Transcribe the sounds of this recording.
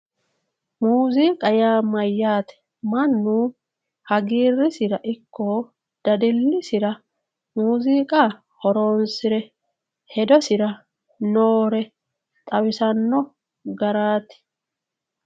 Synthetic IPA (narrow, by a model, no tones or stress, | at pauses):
muːziːkʼɐjaːmɐjːaːt̪ɛ̥ | mɐnːuː | hɐɡiːrːɪsɪɾɐʔɪkːɔ | d̪̥ɐd̪ɪlːɪsɪɾɐ | muːziːkʼaː | hɔɾoːnsɪɾɛ | hɛd̪ɔsɪɾɐ | noːɾɛ | t̪ʼɐwɪsɐnːɔ | ɡɐɾaːt̪ɪ̥